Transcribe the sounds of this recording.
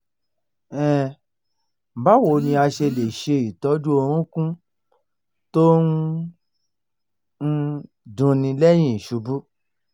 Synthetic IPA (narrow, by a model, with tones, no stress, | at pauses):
ɛ˦˨ | ba˨˦wo˨nĩ˧a˧ʃe˧˨le˨ʃe˧i˨tɔ˨˦d͡ʒu˦o˧ɾ̃ũ˦kũ˦ | to˦n˦ | n̩˦ | dũ˧nĩ˧lɛ˦j̃ĩ˦˨i˨ʃu˨˦bu˦